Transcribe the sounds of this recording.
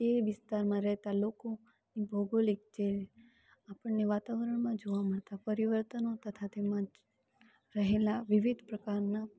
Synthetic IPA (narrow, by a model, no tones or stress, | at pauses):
eʋɪst̪aɾmãɾɛɦt̪aloko | nibʱoɡolik̚t͡ʃe | apəɳːeʋat̪aʋəɾəɳ̃mãd͡ʒoʋaməɭt̪apəɾiʋəɾt̪ənot̪ət̪ʰat̪emã | ɾəɦelaʋɪʋid̪ʱpɾəkaɾna